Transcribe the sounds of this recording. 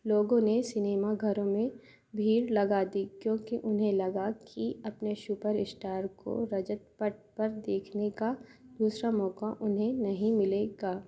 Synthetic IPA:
loːɡõnesɪneːmaɡʱɐɾõmẽ | bʱiːɾlɐɡaːd̪ikjõːkiʔʊnɦẽlɐɡakʰiɐpneʃuːpəɾɪsʈaːɾko̰ɾɐd͡ʒət̪̚pəʈ̚pɐɾd̪eːkʰnekad̪̥uːsɾamɔːkaʔʊnɦẽnɐɦĩmɪleɡaː

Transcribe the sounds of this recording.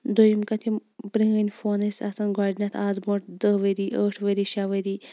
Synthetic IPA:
d̪ojimkɐt̪ʰimbɾiŋɐnʲfoːnɐsʲɐsɐnɡaːɖʲnɐt̪ʰaːzboʈ̚d̪əʋɐɾiʔəːʈʰʋəɾiʃaʋɐɾi

